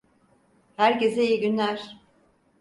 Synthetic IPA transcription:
hæɾce̞zejiɟynlʲæɾ̥

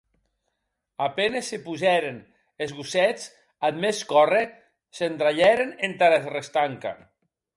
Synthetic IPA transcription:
apenesːepuzɛɾen | ezɣusɛt͡s | ad̪meskɔre | send̪ɾaʎɛɾenent̪aɾasrest̪aŋka̰

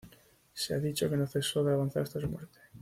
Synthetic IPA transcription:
seaðit͡ʃo̞ke̞noθe̞soðeaβanθa̰ɾet̪asumweɾt̪e

